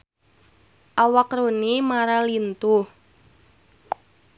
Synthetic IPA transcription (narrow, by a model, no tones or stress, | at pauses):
ʔawakɾonimaɾalint̪uh